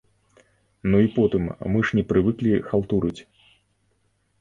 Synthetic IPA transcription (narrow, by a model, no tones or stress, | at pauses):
nuipɔt̪ɨmmɨʂnʲɛpɾɨvɨklʲixalˠt̪uɾɨt͡sʲ